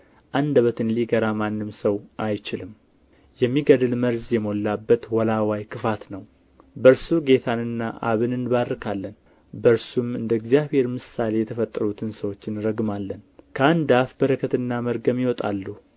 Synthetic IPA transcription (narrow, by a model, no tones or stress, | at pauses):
ʔand̪əβət̪ɨnliɡəɾamanːɨmsəwʔajt͡ʃɪlɨm | jɛmːiɡəd̪ɨlməɾzjɛmo̞lːabːət̪wɔlawajkʰɨfat̪nəw | bəɾsuɡe̞t̪ʰanɨnːaʔa̰βɨnɨnβaɾɨkʰalːən | bəɾsumɨnd̪əɛɡzjaβhe̞ɾmɨsale̞jɛt̪ʰəfət̪ʼːəɾut̪ʰɨnsəwo̞t͡ʃːɪnɨɾəɡmalːənkʰəand̪afbəɾəkʰət̪ɨnːaməɾɡəmjiwɔt̪ʼa̰lːuh